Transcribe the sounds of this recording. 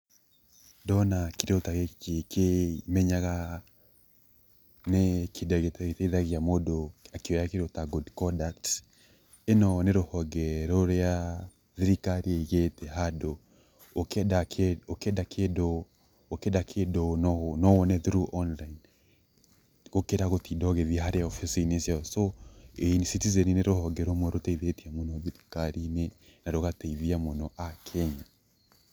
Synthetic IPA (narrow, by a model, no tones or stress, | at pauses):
dɔnakiɾotaɣeekʰemɛɲaɣa | nekʰedɣeteteiðaɣiamodoakeɔjakiɾotaɡudkɔdakt | enɔneɾohɔɡɛɾoɾea | ðiɾikaɾiɛiɣetɛɦadoː | kɛdakokɛdakʰedɔ | okedakʰedonɔnɔwɔnɛðuɾuʔɔnlain | ɣokeɾaɣotidɔɣɛðiaɦaɾeɔfisinesjaɔsoensitizɛnineɾohɔɡɛɾomwɛɾotɛiðetiamonɔðiɾikaɾine | naɾoɣateiðiamonɔʔakʰɛɲa